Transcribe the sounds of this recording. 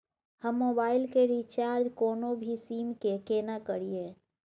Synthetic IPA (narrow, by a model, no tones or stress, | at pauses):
həmːoːbaːɪlkeɾit͡ʃaːɾd͡ʒkoːnobʱisiːmkekeːnakəɾieː